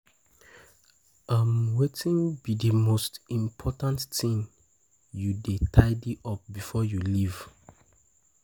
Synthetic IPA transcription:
ãmwetĩnbidəmostĩmpʰɔtãntθĩn | judetʰaɪdiʔɔp̚bifɔjuliv̥

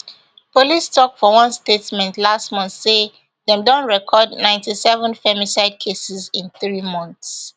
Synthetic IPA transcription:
polistʰɔk̚fɔwʌ̃nstetmɛ̃ntlastmɔ̃nθse | ðɛ̃mdõnɹɛkʰɔdnãɪ̃ntisɛvə̃nfɛmisaɪd̚kʰesɪzĩnθɹimɔ̃nθs

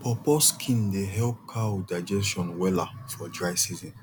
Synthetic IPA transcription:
pɔposkʰĩndeɦɛlp̚kʰadaɪd͡ʒɛsʃɔ̃nwɛlafɔdɹaɪsizĩn

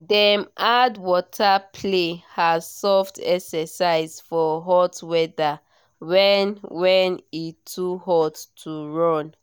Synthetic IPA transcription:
dɛmʔadwɔtʰapʰlehazsɔftɛksɛsaɪzfɔɦɔtwɛda | wɛnwɛnitʰuɦɔtːʰuɹɔ̃n

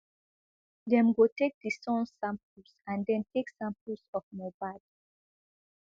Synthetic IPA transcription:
dɛ̃mɡotek̚disɔ̃nsːãmpsãndɛ̃ntʰeksãmpʰəsɔfmobad

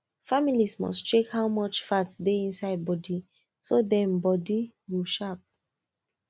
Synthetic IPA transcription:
familismɔ̰stt͡ʃekhawmɔt͡ʃfatsdeĩnsaɪd̚bɔdi | sodɛ̃mbɔdi | wilʃap̚

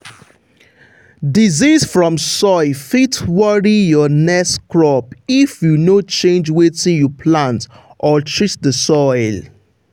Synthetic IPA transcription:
dizisfɹɔ̃msɔɪlfitwɔɹijɔnɛskɹɔpifjunot͡ʃẽnd͡ʒwetĩnjupʰlãnt | ʔɔtʰɹisdəsɔɪl

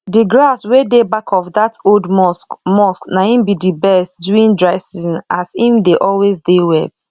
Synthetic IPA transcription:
diɡɹaswedebakʰɔfdatoldɔsmɔsknaĩmbidibɛstduĩndɹaɪsinasĩdeʔɔlwezdewɛ̰t

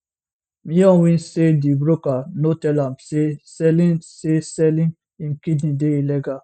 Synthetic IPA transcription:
mĩjɔ̃nwĩnsedibɾokanotɛlãmsesɛlĩnsesɛlĩn | ĩnkidnĩdeilɛɡa

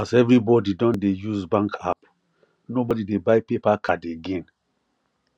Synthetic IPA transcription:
azɛvɾibɔdidɔ̃ndejuzbãŋkʰa̰p | nobɔdidebajpepakʰadeɡɛ̃n

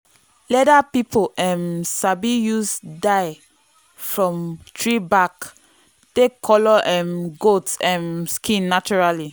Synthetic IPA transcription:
lɛdapipoʔɛ̃msabijusdaɪ | fɹɔ̃mtɹibak | d̥ekʰɔlɔʔɛ̃mɡotɛ̃mskʰĩnːat͡ʃuɹali

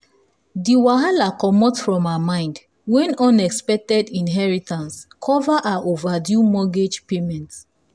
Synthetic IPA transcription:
diwaɦalakɔmɔtfɹɔ̃mamãɪ̃nd | wɛ̃nɔ̃nɛkspɛk̚tɛdĩnɦɛɹitãnskʰɔvaʔaʔovadjumɔɡed͡ʒpemɛ̃nt

